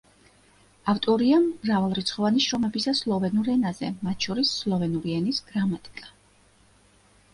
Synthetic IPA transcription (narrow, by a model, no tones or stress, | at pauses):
aft̪ʼɔɾiamɾavalˠɾit̪sʰχɔvaniʃɾɔmɛbisaslˠɔvɛnuɾɛnazɛ̰mat̪ʰʃɔɾisːlˠɔvɛnuɾiɛnisɡ̥ɾamat̪ʼi̥kʼa